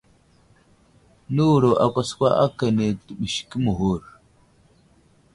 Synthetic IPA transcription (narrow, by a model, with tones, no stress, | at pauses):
nu˦˨ɾo˨ʔa˨kʷa˦skʷa˦ʔa̰˦ka˨ne˨tu˨ɓi˨ʃki˦mu˨ɦu˦˨ɾ